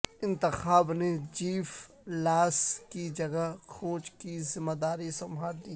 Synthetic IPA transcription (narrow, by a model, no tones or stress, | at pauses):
ɪ̃nt̪ɪxaːbned͡ʒiːf | laːskid͡ʒɐɡaɦxʰoːt͡ʃkizɪmːəd̪aːɾisɐmʱaːɾd̪iː